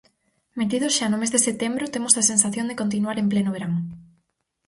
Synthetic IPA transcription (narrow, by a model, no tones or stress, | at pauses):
met̪iðʊsʃanomezðeset̪embɾʊt̪emosasensaθjond̪ekont̪̬inuaɾemplenoβeɾaŋ